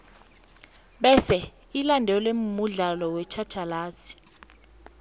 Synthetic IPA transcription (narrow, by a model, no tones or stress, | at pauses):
ɓɛsɛ | ilandʱɛlwemmuɮalɔwɛt͡ʃʰḁt͡ʃʰalaːsi̥